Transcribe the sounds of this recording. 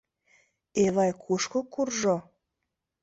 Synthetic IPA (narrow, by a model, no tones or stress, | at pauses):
eβɑjkʰuʃkokurʒo